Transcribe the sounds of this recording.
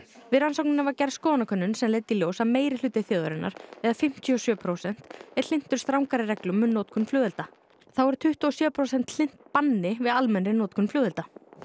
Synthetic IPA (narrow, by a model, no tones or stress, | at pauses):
vɪðɾansowk̚nɪnavaɾcɛɾskɔːnakʰœnːʏnsɛmleːjt̪iljowsaðmeːjɾɪlʏːt̪ɪθjoːðʏɾɪnːa̰ɾ̥ɛðafɪm̥t̪ʰiɔsjœːpʰɾowsɛn̥t̪ɛɾ̥lɪn̥t̪ʏɾ̥st̪ɾawŋkaɾɪrɛklʏmːʏnːoːt̪̚kʰʏnflœːðʏlt̪a | θawɛɾʏ̥t̪ʰʏht̪ʏɔsjœːpʰɾoːwsɛn̥t̪l̥ɪn̥t̪̚panːɪvɪðalmɛnɾɪnoːt̪kʰʏnflʏːðʏlt̪a